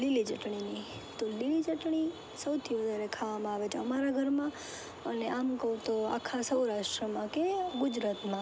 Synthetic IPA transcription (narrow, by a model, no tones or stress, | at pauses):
lilid͡ʒəʈɳini | t̪olilid͡ʒəʈɳ̃i | səwt̪ʰiʋəd̪ʱaɾekʰaʋamãaʋet͡ʃʰeəmaɾaɡʱəɾmã | əneʔamkəut̪oa̰kʰːasəwɾaʃʈɾəmãkeɡʊd͡ʒɾat̪mã